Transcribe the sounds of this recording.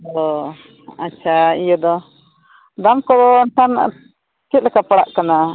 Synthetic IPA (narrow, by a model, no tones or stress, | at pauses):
ɔ | a̰tːt͡ʃʰaijɔd̪ɔ | d̪amkɔd̪ɔntan | t͡ʃit̪̚lɛkapaɽa̰ʔkana